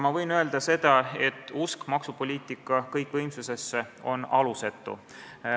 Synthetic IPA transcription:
mɑvɤjnøe̞ld̪̥ɑse̞d̪̥ɑe̞t̪ːˑuskmɑksupolʲiːt̪ˑikːˑɑkɤjkːˑvɤjmsuse̞sːe̞o̞nɑluse̞t̪ːˑṵ

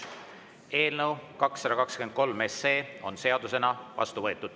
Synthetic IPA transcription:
e̞ːlnəwkɑksːɑd̪ɑkɑkskyen̚ko̞lmesːe̞ːo̞̰nse̞ɑd̪use̞nɑvɑ̰st̪uvɤ̞e̞t̪ːˑud̪̥

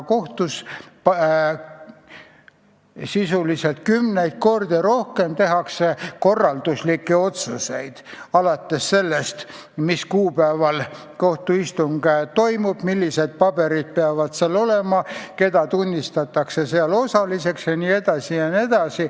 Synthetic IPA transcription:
ko̞ht̪usp | sisuliselt̪̚kymnejd̪̚ko̞rd̪iɾo̞hke̞mt̪e̞ɦɑkseko̞rːɑld̪̥uslikːeo̞t̪suse̞jd̪̥ɑlɑt̪ːe̞sːe̞lːest̪ | miskuːpæevɑl | ko̞ht̪uist̪uŋɡ̥et̪o̞jmub̥milːise̞d̪̥̚pɑbe̞ɾid̪̥̚peɑvɑd̪̥seɑlo̞le̞mɑke̞d̪̥ɑt̪unʲːist̪ɑt̪ːˑɑkse̞seɑlo̞sɑlise̞ksjɑnie̞d̪ɑsijɑnie̞d̪̥ɑsi

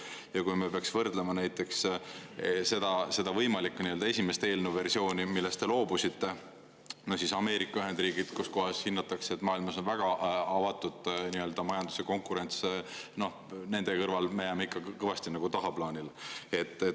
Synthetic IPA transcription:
jɑkujmepeɑksvɤrd̪̥lemɑnæjt̪ːˑe̞ks | se̞d̪̥ɑse̞d̪ɑvɤjmɑlikːniø̞ld̪ɑe̞sʲime̞st̪e̞ːlnuve̞rsio̞ːnʲimilːe̞st̪e̞lo̞ːbusit̪ːe̞ | nohsisɑme̞ːɾikːˑɑyɦend̪riːɡ̥id̪̥kusko̞ɦɑshinːɑt̪ːˑɑkseet̪ːˑmɑːilmɑso̞nvæɡ̥ɑɑvɑt̪ːˑud̪̥niø̞ld̪̥ɑmɑjɑnd̪̥u̥seko̞ŋkˑuɾe̞nt̪sno̞h | ne̞nd̪̥e̞kɤrvɑlmejæmeikːˑɑkɤvɑst̪inɑɡ̥ut̪ɑɦɑplɑːnʲile̞t̪ːˑe

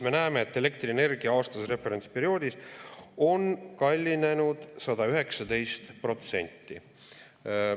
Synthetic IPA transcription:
me̞næːme̞ːt̪ːe̞le̞k̚t̪riene̞rɡ̥iɑɑːst̪ɑsre̞fe̞ɾe̞nʲt̪spe̞ɾio̞ːd̪iso̞nkɑlʲːine̞nud̪̥sɑd̪̥ɑyɦe̞ksɑd̪e̞jst̪pro̞t̪se̞̰nʲt̪ˑːi

